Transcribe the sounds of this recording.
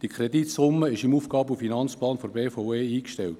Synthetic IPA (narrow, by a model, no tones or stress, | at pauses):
d̥ikʰχrɛditsʊmːəɪʃɪmuːfɡ̥ɑːbufinɑnt͡splɑːnfɔrbeːfaʊeːiːkʃtɛlt